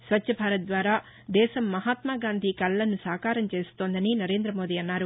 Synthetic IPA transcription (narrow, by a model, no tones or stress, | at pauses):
sʋɐtːʃɐbʱaːɾɐt̪̚d̪ʋaːɾaː | d̪ɛːʃɐmːɐɦaːt̪maːɡaːnd̪ʱikɐlːɐnːusaːkaːɾɐmt͡ʃe̞ːsu̥t̪o̞ːnd̪ɐninɐɾeːnd̪ɾɐmo̞ːd̪iːɐnːaːɾu